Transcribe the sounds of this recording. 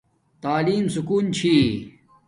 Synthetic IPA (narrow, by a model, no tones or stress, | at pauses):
t̪aːliːmsukuːnt͡ɕʰi